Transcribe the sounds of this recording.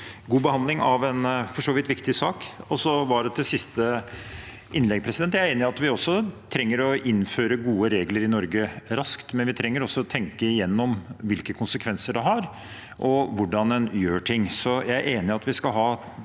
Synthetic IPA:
ɡuːbəhɑnd̪lɪŋɑʋɛnfɔʂoːʋɪt̪ʋɪkt̪ɪsɑːkɔsɔʋɑɖɛt̪ʰɪsɪst̪ə | ʔɪnlɛɡpʰɾɛsɪd̪ɛnt̪ːjæɪɾeːnɪɑt̪ʋɪɔsːɔt̪ʰɾɛŋːəɾɔɪnføːɾəɡuːəɾeːɡləɾɪnɔɾɡəɾɑskt̪mɛnʋɪt̪ʰɾɛŋːəɾɔsːɔt̪ʰɛŋkəɪjɛnːɔmʋɪlkəkʰʊnsəkʰʋɛnsəɖɛɦɑɾ | ʔɔʋʊɖɑnɛnjøːʈʰɪŋːsɔjæɪæɾʔeːnɪɑt̪ʋɪskɑlɦɑː

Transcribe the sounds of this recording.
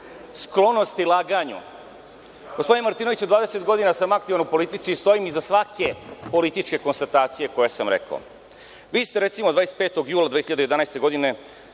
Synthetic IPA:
sklo̞nost̪ilˠaɡaɲṵ | ɡospod̪inemaɾt̪iːno̞ʋit͡ɕud̪ʋaːd̪e̞se̞t̪ɡo̞d̪inasamak̚t̪iʋanupo̞lit̪it̪siːst̪o̞jimizasʋake̞po̞lit̪it͡ʂke̞ko̞nst̪at̪aːt̪sije̞ko̞jesamɾḛka̰o̰ | ʋiːst̪eɾe̞t̪simo̞d̪ʋaːɾese̥t̪pet̪o̞ɡjuːlad̪ʋexiʎad̪eed̪anajst̪e̞ɡo̞d̪ine̞

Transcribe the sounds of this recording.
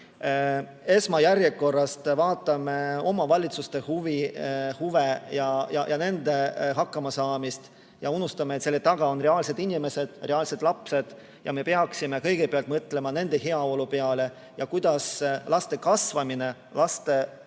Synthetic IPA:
e̞smɑjæɾje̞ko̞rːɑst̪vɑːt̪ːˑɑme̞o̞mɑvɑlʲit̪sust̪e̞huvihuvejɑjɑ̰jʔɑne̞nd̪e̞ɦɑkːɑmɑsɑːmist̪ | jɑunust̪ɑmet̪se̞lːet̪ɑɡ̥ɑo̞nreɑːlse̞d̪inime̞se̞d̪̥re̞ɑːlse̞d̪̥lɑpse̞d̪̥ | jɑ̰me̞pe̞ɑksime̞kɤjɡ̥e̞peɑlt̪mɤt̪ːˑle̞mɑne̞nd̪̥e̞ɦeɑo̞lupe̞ɑle̞ | jɑkujd̪̥ɑslɑst̪e̞kɑsvɑmine̞ | lɑst̪e̞

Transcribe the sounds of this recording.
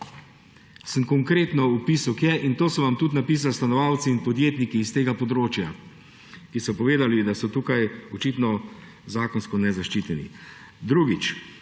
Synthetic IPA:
səmkɔŋkɾeːt̪nɔupisukjɛʔint̪oːsɔʋamt̪ut̪̬napiːs̬alst̪anɔʋaːwt̪siːnpɔd̪jeːt̪nikiːst̪eːɡapɔd̪ɾoːt͡ʃja | kisɔpɔʋeːd̪alid̪asɔt̪uːkajɔt͡ʃit̪nɔ | zaːkɔnskɔnɛzaʃt͡ʃiːt̪ɛnḭ | d̪ɾuːɡit͡ʃ

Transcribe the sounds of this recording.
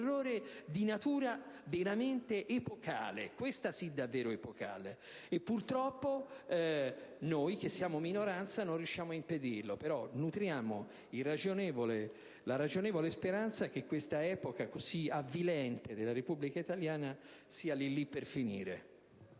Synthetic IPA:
rːoːɾed̪inat̪uːɾaveɾament̪eʔepoka̰ːlḛkwest̪asid̪avːeːɾoepoka̰ːle | epːurt̪ɾɔpːoɛnojk̟esːjaːmominoɾant̪sanonrjuʃːjaːmoaimped̪irlopeɾɔnut̪ɾjaːmo | ilrad͡ʒonɛːvole | laɾad͡ʒonɛːvolespeɾant̪sak̟ekːwest̪aɛːpokakoziavːilɛnt̪ed̪elːaɾepubːlikait̪aljaːnasiːalilːipːerfinḭːɾḛ

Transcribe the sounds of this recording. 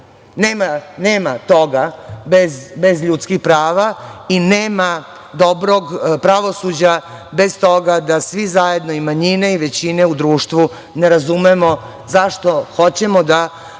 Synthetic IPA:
neːmaneːmat̪o̞ɡabezbe̞zʎuːt̪skixpɾaːʋaineːma | d̪obɾoɡpɾaʋo̞sud͡ʑa | be̞st̪o̞ɡad̪asʋizaje̞d̪no̞imaɲineiʋe̞t͡ɕine̞ud̪ɾuːʃt̪ʋu | ne̞ɾazumemo̞ | zaʃt̪o̞xo̞t͡ɕemod̪a

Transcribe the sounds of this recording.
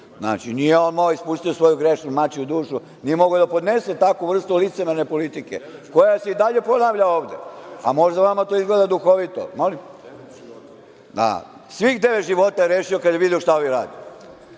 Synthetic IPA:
zna̰ːt͡ʃinijeo̞nmaoispust̪iosʋo̞juɡɾeʃnumat͡ɕiud̪uːʃu | nijemo̞ɡod̪apo̞d̪ne̞set̪akuʋr̩st̪ulit̪semeɾnepo̞lit̪ike̞ko̞jase̞id̪aʎe̞po̞naːʋʎao̞ːʋd̪ea̰mo̞ʒd̪aʋamat̪o̞izɡled̪ad̪uxo̞ʋit̪o̰mo̞lim | d̪a̰ | sʋixd̪eʋet̪ʒiʋo̞t̪ajeɾeʃiokad̪jeʋid̪ioʃt̪aoʋiɾaːd̪io

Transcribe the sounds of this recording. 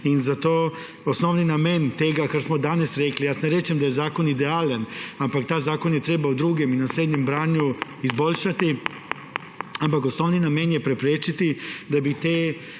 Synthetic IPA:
inzat̪oː | osnoːʋninament̪eɡakaɾsmod̪anasɾeklijaːsneɾet͡ʃemd̪ajezaːko̞nid̪eaːlanampakt̪aːjzaːko̞njet̪ɾebaud̪ɾuɡeminasɾeːd̪ɲembɾaːɲuizbo̞ʎʃat̪i | ampako̞snoːʋninameːnjepɾepɾeːt͡ʃit̪id̪abit̪eː

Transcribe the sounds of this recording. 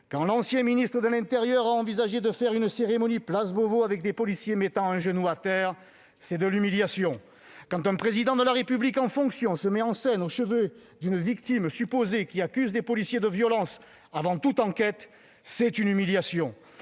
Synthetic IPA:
kɑ̃lɑ̃sjɛ̃minist̪χəd̪əlɛ̃t̪eʁjœʁaɑ̃vizaʒed̪əfɛʁynseʁemɔniplazbovoavɛk̚d̪epɔlisjemet̪ɑ̃ɛ̃ʒənuat̪ɛʁ | sɛd̪əlymiljasjɔ̃ | kɑ̃t̪ɛ̃pχezid̪ɑ̃d̪əlaʁepyblikɑ̃fɔ̃ksjɔ̃səmɛɑ̃sɛnoʃəvø | d̪ynvikt̪imsypozekʲiakʲyzd̪epɔlisjed̪əvjɔlɑ̃s | avɑ̃t̪ut̪ɑ̃kɛt̪ | sɛt̪ynymiljasjɔ̃

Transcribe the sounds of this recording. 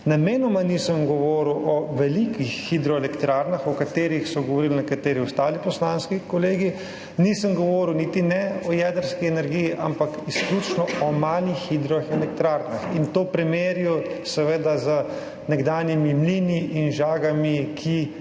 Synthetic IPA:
nameːnɔmanisəmɡɔʋɔɾuwʔɔʋɛlikixːid̪ɾɔɛlɛkt̪ɾaɾnaxɔkat̪eːɾixsɔɡɔʋɔɾiːlnɛkat̪eːɾiuwst̪aːlipɔslanskikɔleːɡi | nisəmɡɔʋɔɾiwnit̪inɛɔjɛd̪əɾskiɛnɛɾɡijiʔa̰mpakisklut͡ʃnɔɔmaːlixːid̪ɾɔxɛlɛk̚t̪ɾaːɾnaxint̪oːpɾɛmeɾjɔsɛʋed̪azə | nɛɡd̪aːnjimimliniʔinʒaːɡamikʰi

